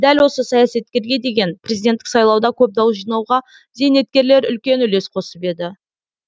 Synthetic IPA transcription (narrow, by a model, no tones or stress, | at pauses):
d̪ælwo̞səsɑjɑse̞t̪̚kʲe̞ɾɡʲe̞d̪e̞ɡʲe̞npre̞zid̪et̪ːɪ̥ksɑjlˠɑwd̪ɑkʲʰɵp̚d̪ɑwəsʒijnɑwʁɑ | zejne̞t̪̚kʲe̞ɾle̞ɾʏ̰lkʲe̞nʏle̞sqʰo̞səpe̞d̪ɪ